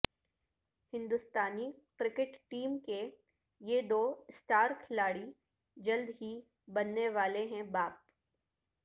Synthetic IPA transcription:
hɪ̃nd̪ʊst̪aːnikɾɪkɪʈʈiːmke | jed̪oːsʈaːɾkʰɪlaːɽi | d͡ʒɐld̪ɦi | bɐnːeʋaːleɦɛ̃baːp̚

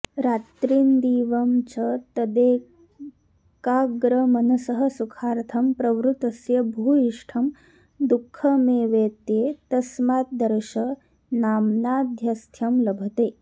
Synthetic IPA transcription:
ɾaːt̪ɾiːnd̪iːʋɐmt͡ʃɐt̪ɐd̪eː | kaːɡɾɐmɐnɐsɐɦɐsukʰaːɾt̪ʰɐmpɾɐʋɾut̪ɐsjɐbʱuːiʂʈʰɐm | d̪ukʰːɐmeːʋeːt̪jeːt̪ɐsmaːt̪̚d̪ɐɾʃɐ | naːmnaːd̪ʱjɐst̪ʰjɐmlɐbʱɐt̪eː

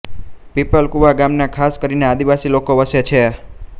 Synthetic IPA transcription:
pipəlkuʋaɡamnakʰaskəɾinead̪iʋasilokoʋəsjet͡ʃʰe

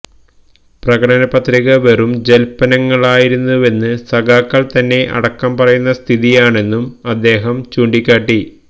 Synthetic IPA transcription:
prɐɣɐʈɐnɐpːɐt̪riɣɐʋɐrumd͡ʑelpɐnɐŋːɐɭaːjiɾunːuʋe̞nːɨsɐɡaːkːɐɭt̪ɐnːe̞ʔɐ̰ɽɐkːɐmpɐrɐjunːɐst̪ʰiðijaːɳe̞nːumɐd̪ːe̞ːɦɐmt͡ɕuːɳɖikʲːaːʈːi

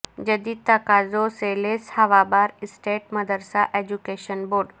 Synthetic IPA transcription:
d͡ʒəd̪iːt̪akazoseːleshaʋabaːɾɪsʈeːʈmɐd̪ʱəɾsaʔed͡ʒukeːʃənboːɾɖ

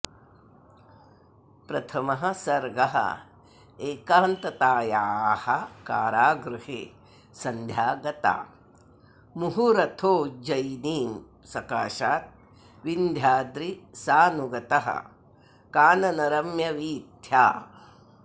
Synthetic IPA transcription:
pɾɐt̪ʰɐmɐɦɐ̆sɐɾɡɐɦɐ̰ | eːkaːnt̪ɐt̪aːjaːhɐkaːɾaːɡɾuɦeː | sɐnd̪ʱjaːɡɐt̪a̰ː | muɦuɾɐt̪ʰoːd͡ʒɐjniːm | sɐkaːʃaːt̪̚ | ʋind̪ʱjaːd̪ɾisaːnuɡɐt̪ɐɦɐ̰ | kaːnɐnɐɾɐmjɐʋiːt̪jaː

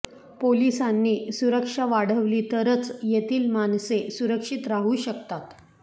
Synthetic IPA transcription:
polisanːiːsuɾəkʂaʋaɽ̤əʋliːt̪əɾət͡sjet̪iːlmansesuɾəkʂit̪ɾaɦuːɕəkt̪at̪

